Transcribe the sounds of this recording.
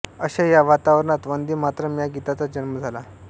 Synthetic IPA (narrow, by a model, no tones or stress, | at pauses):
əɕajaʋat̪aʋəɾəɳat̪ʋənd̪iːmat̪ɾəmjaɡit̪at͡sad͡ʑənməd͡zʱala